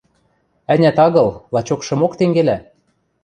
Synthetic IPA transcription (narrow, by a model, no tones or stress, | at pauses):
ænʲæt̪ɑɣɤ̆lˠlɑt͡ɕokʃɤ̆mokt̪eŋɡelæ